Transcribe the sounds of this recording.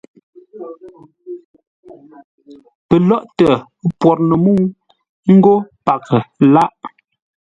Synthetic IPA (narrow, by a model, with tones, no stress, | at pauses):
pə˨lɔ˦ʔtə˨˦ | pwɔ˨t̚nə˨mu˦ | ŋ̩˦ɡo˦pa˨kʰə˨la˦ʔ